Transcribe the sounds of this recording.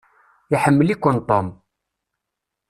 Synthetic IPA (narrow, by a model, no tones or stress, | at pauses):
iħəmːəlikʷːənt̪ˤom